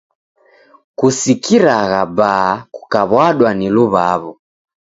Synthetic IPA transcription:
kusikiɾaɣabakukaβwaɗwaniluβaβɔ

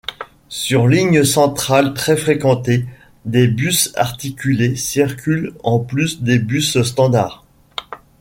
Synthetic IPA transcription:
syʁliɲəsɑ̃t̪χalt̪χɛfχekɑ̃t̪e | d̪ebysa̰ʁt̪ikʲylesiʁkʲylɑ̃plysd̪ebysst̪ɑ̃d̪a̰ːʁ

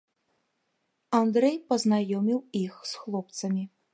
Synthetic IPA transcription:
and̪ɾɛjpɐznajɔmʲiwixsxlˠɔpt̪sɐmʲi

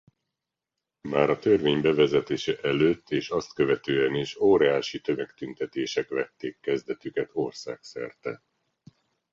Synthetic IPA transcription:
maːɾɒt̪ørveːɲbɛvɛzɛt̪eːʃɛʔɛløːt̪ːeːʃɒst̪kø̞vɛt̪øːɛniʃoːɾɛaːʃit̪ø̞mɛkt̪ynt̪ɛt̪eːʃɛkʋɛt̪ːeːkːɛzd̪ɛt̪ykɛt̪orsa̰ːksɛ̰rt̪ɛ

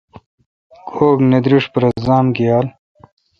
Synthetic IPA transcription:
kʰoːkned̪ɾiʂpɐɾɐzaːmkijaːl

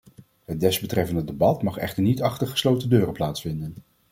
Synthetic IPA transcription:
ɦət̚dɛzbətrɛfəndədebɑtmɑχɛ̰χtəɹnitɑχtəɹχə̥slowtədøːrəplaːtsfɪndən

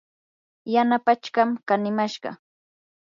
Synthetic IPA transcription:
janapat͡ʃkamkanɪmaʃɢɑ̰

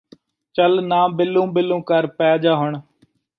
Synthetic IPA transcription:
t͡ʃəlnãːbɪlːũːbɪlːũːkəɾpɛːd͡ʒaːɦʊɳ

